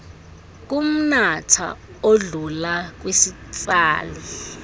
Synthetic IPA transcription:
k̬ʼum̩natʰa̰ | oɮulak̬wesi | t͡sʼaːli

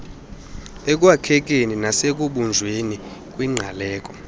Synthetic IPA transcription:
ek̬ʼwakʰɛk̬ʼeninasek̬ʼuɓund͡ʒʱweni | k̬ʼwiŋ͡ǀʱalɛːkʼɔ

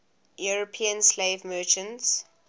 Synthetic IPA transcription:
juɹopʰiə̃nsleɪvmɜt͡ʃə̃nts

